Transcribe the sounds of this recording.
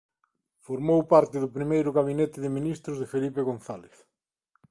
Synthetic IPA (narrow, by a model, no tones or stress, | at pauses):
foɾmowpaɾt̪ɪðʊpɾimejɾʊɣaβinet̪ɪðɪminist̪ɾʊzðɪfelipeɣonθaleθ